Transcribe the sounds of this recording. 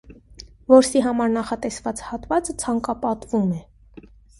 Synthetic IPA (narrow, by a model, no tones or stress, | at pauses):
vɔɾsiɦɑmɑɾnɑχɑt̪ɛsvɑt͡shɑt̪vɑt͡sət͡sʰɑŋkɑpɑt̪vumɛ